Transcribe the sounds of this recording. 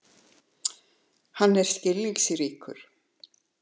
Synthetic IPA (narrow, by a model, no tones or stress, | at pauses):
hanːɛɾ̥scɪlːiŋksiɾiːkʏ̰ɾ̥